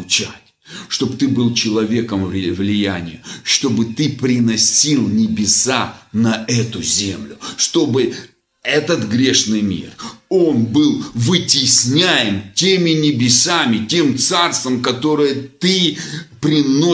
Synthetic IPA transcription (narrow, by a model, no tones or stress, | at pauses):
t͡ɕatʲ | ʂt̪o̞bt̪ɨbɨlˠt͡ɕɪlˠɐvʲe̞kəmvvlʲɪjænʲɪjʊʂt̪o̞bɨt̪ɨpɾʲɪnɐsʲilˠnʲɪbʲɪsanɐɛt̪ʊzʲemlʲʊʂt̪o̞bɨ | ɛt̪ət̪ɡɾʲeʂnɨjmʲḭro̞nbɨlˠvɨtʲɪsʲnʲæjɪmtʲemʲɪnʲɪbʲɪsamʲɪtʲe̞mt̪sarst̪vəmkɐt̪o̞ɾɨjət̪ɨpɾʲɪno